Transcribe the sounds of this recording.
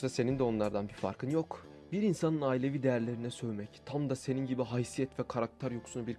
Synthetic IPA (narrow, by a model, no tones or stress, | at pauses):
ʃt̪ase̞nind̪ɛo̞nlˠaɾd̪anbifa̰ɾkʰɯnjo̞k | biɾinsanɯnaːilʲe̞vid̪ejæɾlʲe̞ɾinɛsø̞jmɛct̪ʰamd̪ase̞ninɟibiɦajsijɛt̪vɛkʰaɾak̚t̪ʰaɾjo̞ksunubiɾ